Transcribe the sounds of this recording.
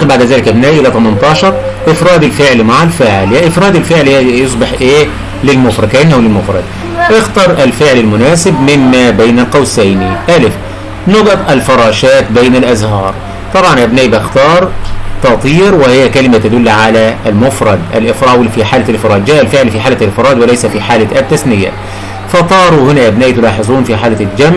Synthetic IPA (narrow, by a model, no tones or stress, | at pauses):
baʕd̪æzæːlɪkʔæbnæːʔɪlæt̪ˤɑmɑnt̪ˤɑːʃɑɾˤ | ʔɪfɾˤɑːd̪ɪlfɪʕlimaʕalfɪʕljæʔɪfɾˤɑːd̪ɪlfɪʕlihjos̬ˤbɪħʔeː | lɪlmʊfɾˤɑkʔɪnːhwlɪlmʊfɾˤɑd̪̚ | ʔɪxt̪ɑɾˤʔɪlfɪʕlalmʊnæːsɪbmɪmːæːbejnælqɑwsæjniʔælɪf | nɑɡɑt̪ˤʔælfɑɾˤɑːʃæːt̪bejnælʔæzhɑːɾˤ | t̪ˤɑbʕɑnʔabnaːʔibɪxt̪ɑːɾˤt̪ɑt̪ˤiːɾwɪhɪjːækælɪmat̪ad̪ʊlːʕalæʔlmʊfɾˤɑd̪ʔa̰lʔɪfɾˤɑʔwfiħaːlɪlfɾˤɑːd̪̚d͡ʒæːʔalfɪʕlfiːħaːlæalʔɪfɾˤɑːd̪wɪlaæjsæfiːħaːlaɪt̪ːasnɪja̰ | fɑt̪ˤɑːɾˤuhɪnæʔæbnaːʔit̪ʊlɑːħezˤuːnfiːħaːlɪd͡ʒæmʕ